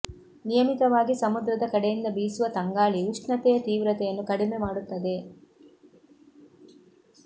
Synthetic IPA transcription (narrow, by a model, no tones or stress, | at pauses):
nijɐmik̪ɐʋaːɡisɐmud̪ɾɐd̪ɐkɐɽejind̪ɐbiːsuʋɐt̪ɐŋɡaːɭiuʂɳɐt̪ɛjɐt̪iːʋɾɐt̪ɛjɐnːukɐɽimemaːɽut̪ːɐd̪e̞